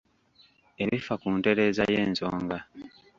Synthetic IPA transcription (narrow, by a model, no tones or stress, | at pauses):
e̞βifakuːnte̞ɾe̞ːzaje̞ːnzoːŋɡa